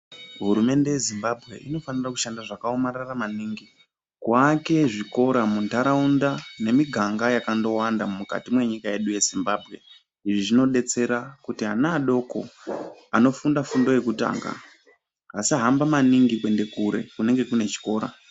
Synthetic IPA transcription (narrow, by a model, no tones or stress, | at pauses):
ɦuɾume̞nde̞je̞zimbabʱɣe̞̰ʔino̞fanirakuʃandaʐakaomararamaniːŋɡi | kwake̞ʐiko̞ɾamuntaɾaundane̞miɡʱaŋɡajakando̞wandamumuka̰timwe̞ɲikaje̞ɗuje̞zimbaːbʱɣe̞̰ | iʐiʐino̞ɗe̞t͡se̞ɾakutiɦanaːɗo̞ko̞̰ano̞fundafundo̞je̞kuta̰ːŋɡa̰ | asiaɦambamaniŋɡikwe̞nde̞kuɾḛkune̞ŋɡe̞kune̞t͡ʃi̥ko̞ːɾa̰